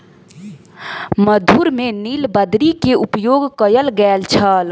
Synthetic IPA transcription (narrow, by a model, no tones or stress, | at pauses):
məd̪ʱuɾmenilbəd̪ɾikeupjoɡkəjəlɡɛlt͡ʃʰəl